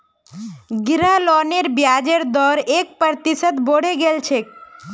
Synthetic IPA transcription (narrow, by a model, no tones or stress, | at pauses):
ɡiɾalɔneɾbjad͡ʒeɾd̪ɔɾek̚pəɾt̪isət̪boɽ̤eɡelt͡ʃʰe